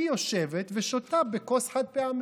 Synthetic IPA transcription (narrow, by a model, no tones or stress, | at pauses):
ijoʃevet̪veʃot̪abekosħad̪̚beam